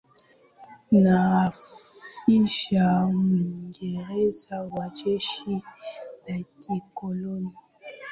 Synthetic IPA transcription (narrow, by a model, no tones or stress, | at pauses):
nafiʃamwiŋɡeɾezawad͡ʒeʃinakikoloni